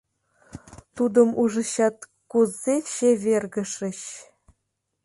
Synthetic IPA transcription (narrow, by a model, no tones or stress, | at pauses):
t̪ud̪ɤ̆muʐɤ̆ɕɑt̪ | kuzːeɕeβʲerɡə̆ʂɘ̆ɕ